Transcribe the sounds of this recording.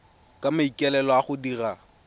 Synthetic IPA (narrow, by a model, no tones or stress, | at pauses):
kʼamaikʼɛlɛlɔaχʊdira